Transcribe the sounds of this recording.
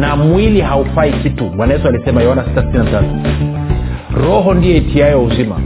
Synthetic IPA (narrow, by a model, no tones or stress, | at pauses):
namwiliɦaufaikituɓwanajɛsualisɛmajɛwanasi̥tasi̥tinatatu | ɾɔɦɔndijɔitʰiajɔuzima̰